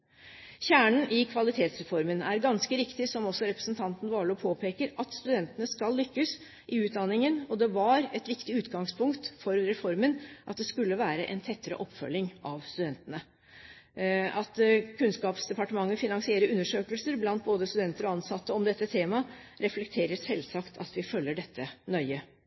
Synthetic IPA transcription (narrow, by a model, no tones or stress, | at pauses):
çæːɳən̩ʔɪkʰʋɑlɪt̪ʰeːt̪sɾɛfɔɾmənæɾɡɑnskəɾɪkt̪ɪsɔmɔsːɔɾɛpɾə̥snt̪ʰɑnt̪n̩ʋɑːɭɔpʰoːpʰeːkəɾɑt̪st̪ʉd̪ɛnt̪ənəskɑlːʏkːəs | ʔɪʉːt̪̚d̪ɑnːɪŋənɔd̪ɛʋɑɾɛt̪ʋɪkt̪ɪʉːt̪ɡɑŋspʰʊŋkt̪fɔɾɾɛfɔɾmənʔɑt̪̚d̪ɛskʉlːəʋæːɾəʔɛnt̪ʰɛt̪ːəɾə̰ʔɔpːfœ̰lːɪŋʔɑʋst̪ʉd̪ɛnt̪ənə | ɑt̪kʰʉnskɑːpsd̪ɛpɑʈəmɑŋːəfɪnɑŋsɪeːɾəɾʉnːəʂøːkəlsəɾblɑnt̪̚boːd̪əst̪ʉd̪ɛnt̪əɾɔɑnsɑt̪ːəɔmd̪ɛt̪ːət̪ʰeːmɑ | ɾɛflɛk̚t̪ʰeːɾəsɛlsɑkt̪ʰɑ̰t̪ʋɪfœlːəɖɛt̪ʰːənœʏə